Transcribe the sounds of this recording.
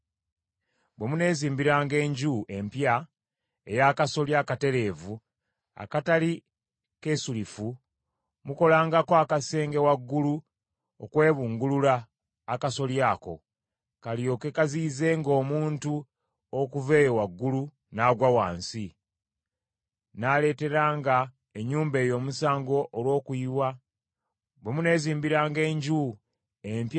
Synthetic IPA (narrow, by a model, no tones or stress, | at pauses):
bwe̞mune̞ziːmbiɾaːŋɡe̞ːɲɟuʔe̞mpja | e̞jaːkaso̞ljakate̞ɾe̞ːvu | a̰katali | ke̞sulifu | muko̞laːŋɡakoakase̞ːŋɡe̞waɡːulu | okwe̞ːβuːŋɡululaː | kaso̞ljaːko̞̰ | kaljo̞ːke̞kaziːze̞ŋɡo̞ːmuːntu | okuve̞ːjowaɡːulu | naːɡwawaːnsi | nale̞ːte̞ɾaːŋɡa | eɲːuːmbe̞ːjo̞ːmusaːŋɡo̞ʔːlwo̞ːkuiwa | bwemune̞ːziːmbiɾaːŋɡe̞ːɲɟu | emp